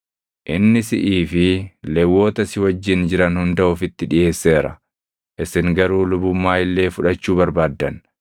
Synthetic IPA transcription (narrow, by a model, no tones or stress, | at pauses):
ʔɪnːɪsɪʔiːfɪlɛwːo̞ːt̪ɐsɪwɐd͡ʒːɪnd͡ʒɪɾɐnhʊnd̪ɐʊfɪt̪ːɪᶑɪje̞ːsːe̞ːɾɐ̰ | ʔɪsɪŋɡɐɾuːlʊbʊmːaːɪlːe̞ːfʊᶑɐt͡ʃːuːbɐɾbaːd̪ːɐn